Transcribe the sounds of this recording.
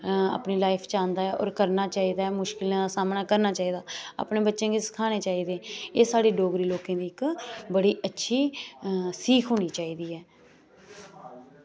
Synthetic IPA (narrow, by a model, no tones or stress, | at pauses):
a̰ːpniːlaːɪpʰt͡ʃãːnd̪aːɛːʔɔ̰ːɾkəɾnaːt͡ʃaːiːd̪aːɛːmʊʃkɪlãːd̪aːsaːmnaːkəɾnaːt͡ʃaːiːd̪aːa̰ːpneːbətːʃẽːɡisə̥kʰaːneːt͡ʃaːiːd̪eːeːsaːɽeːɖoːɡɾiːloːkẽːd̪iːɪkbəɽiːətːʃʰiː | siːkʰɦoːñiːt͡ʃaːiːd̪iːɛː